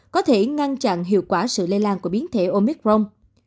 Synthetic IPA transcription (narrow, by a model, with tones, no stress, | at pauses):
kɔ˨˦t̪ʰe˧˩ŋa˧nt͡ɕa̰˧˨nɦḭ˧˨əwkwaː˧˩sɨ̰˧˨le˧laː˧nku˧˩əɓi˨˦ənt̪ʰe˧˩ʔo˧mi˦˥k̚ɹo˧m